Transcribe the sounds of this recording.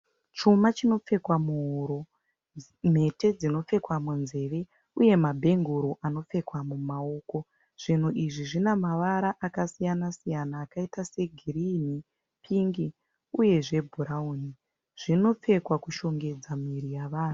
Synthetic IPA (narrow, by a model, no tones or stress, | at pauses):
t͡ʃumat͡ʃino̞p͡fe̞kwamuɦoɾo | m̤e̞te̞d͡zino̞p͡fe̞kwamunze̞ːʋe̞ | uje̞mabʱe̞ŋɡuɾoʔano̞p͡fe̞kwamumao̞ːko̞ | ʐ̥in̤uʔiʐiʐinemaʋaɾaʔakasijanasijanaːkaitase̞ɡʱiɾini | pʰiŋɡi | uje̞ʐe̞bʱuɾauni | ʐ̥ino̞p͡fe̞kwakuʃo̞ŋɡe̞d͡zamiɾijaʋaːn̤u